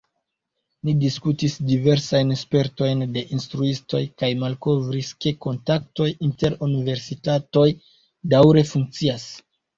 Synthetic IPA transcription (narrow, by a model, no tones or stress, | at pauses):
nidiskutisdive̞ɾsajnspe̞ɾto̞jnde̞ʔinstɾuisto̞jkajmalko̞vɾiske̞ko̞ntak̚to̞jinte̞ɾunive̞ɾsitato̞j | dawɾe̞fuŋk̚t͡sias